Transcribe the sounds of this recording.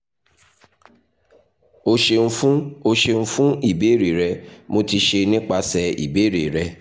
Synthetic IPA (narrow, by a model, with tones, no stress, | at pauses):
o˧ʃe˧n̩˧fũ˦o˧ʃe˧ñ̩˦˧fũ˦i˦˨be˨˦˨ɾe˨ɾɛ˧mo˧ti˧ʃe˧nĩ˦k͡pa˧sɛ˧ḭ˨be˨˦ɾe˨ɾɛ˧